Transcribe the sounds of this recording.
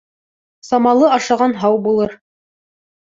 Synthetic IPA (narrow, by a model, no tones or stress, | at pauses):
sɑmɑlˠɤɑʃɑʁɑnɦɑwbulˠɤɾ